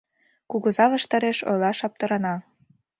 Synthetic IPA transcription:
kuɣɤzɑβɤ̆ʃt̪ɤɾeʃo̰jlɑʃɑp̚t̪ɤ̆ɾɤ̆nɑ

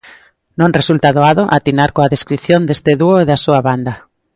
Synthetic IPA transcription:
nõŋresult̪aðoaðoʔat̪inaɾkoaðeskɾiθjond̪est̪eðuoeðasuaβand̪a

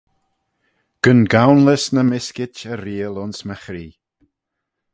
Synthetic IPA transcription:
ɡ̥ənɡawnləsnəmɪskɪt͡ʃəɾiːəlʊnsməxɾiː

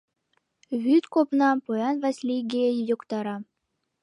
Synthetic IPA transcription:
βʲyt̪kopnɑpojɑnvɑsʲlʲiɡʲeejjŏkt̪ɑɾɑ

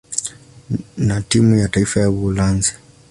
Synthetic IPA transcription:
natimujataifajaβulanzi̥

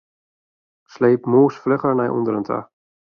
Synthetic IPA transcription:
sleːpmoːsflɪχəɹnajʔṵndəɾəntʰa̰

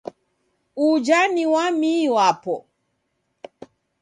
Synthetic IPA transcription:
ud͡ʒaniwamiwapɔ

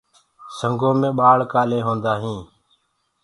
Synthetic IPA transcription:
səŋɡʱõːmẽːɓaːɭkaːlẽːɦõːnd̪aːɦĩː

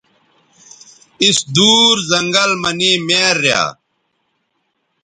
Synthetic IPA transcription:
isd̪uːɾzɐŋɡɐlmɐniːmeːɾːja̰ː

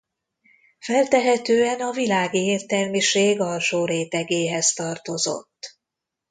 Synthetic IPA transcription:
fɛlt̪ɛɦɛt̪øːɛnɒvilaːɡieːrt̪ɛlmiʃeːɡɒlʃoːɾeːt̪ɛɡeːɦɛst̪ɒrt̪o̞zo̞̰t̪ː

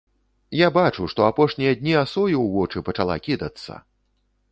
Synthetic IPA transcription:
jabat͡ʂuʂt̪ɔapɔʂnʲijɐd̪ʲnʲiasɔjiwvɔt͡ʂɨpɐt͡ʂalˠa̰kʲid̪ɐt̪sːɐ̰

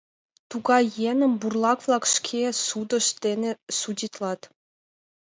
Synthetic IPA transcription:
t̪uɡɑjenʲɘ̆mʲburlˠɑkʋlˠɑkʂkʲʰesud̪ɤ̆ʃt̪ʲenʲesudʲit̪lˠɑt̪

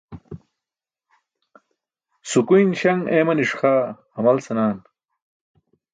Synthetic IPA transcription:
sukujnɕɐŋeːmɐniʂxaːhɐmɐlsɐnaːn

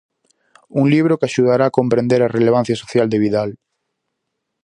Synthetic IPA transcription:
uŋliβ̞ɾokaʃuð̞aɾaːkompɾẽnd̪eɾareleβ̞an̟θjasoθjald̪eβiðal

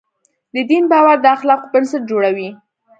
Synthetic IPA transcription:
d̪əd̪inbɑwaɾd̪əaxlɑqobɪnsɪʈ̪̚d͡ʒoɽawi

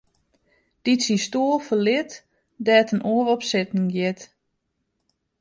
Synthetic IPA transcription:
d̥itsistoəlˠfəlɪt | dɛːtʰənʔoːrɔpsɪtnɪŋɡjɪt

